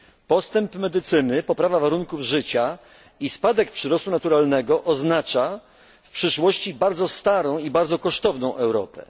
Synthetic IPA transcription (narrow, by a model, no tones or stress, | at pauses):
pɔst̪ɛmpmɛd̪ɘt̪sɘnɘpɔpɾavavaɾuŋkuvʐɘt͡ɕa | ispad̪ɛk̚pʂɘɾɔst̪unat̪uɾalnɛɡɔʔɔznat͡ʂa | fpʂɘʂwɔɕt͡ɕibaɾd̪zɔst̪aɾɔ̃w̃ibaɾd̪zɔkɔʂt̪ɔvnɔ̃w̃ʔɛwɾɔ̰pɛ̰